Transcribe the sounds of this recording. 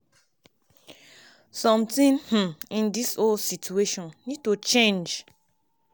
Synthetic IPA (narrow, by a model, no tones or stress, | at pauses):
sɔ̃mtĩnh̩ĩndisolsitʰueʃɔ̃nːid̚tut͡ʃẽnd͡ʒ